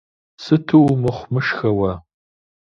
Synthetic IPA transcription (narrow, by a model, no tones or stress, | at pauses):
sɨtʰɨwmɨχʷmɨʃxɐwɐ